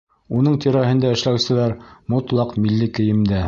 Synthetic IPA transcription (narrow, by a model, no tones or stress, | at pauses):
unɤɴt̪iɾæɦɘ̆nd̪æɘ̆ʃlæwsɘ̆læɾmŏt̪lˠɑqmilːɘkɘ̆jɘ̆md̪æ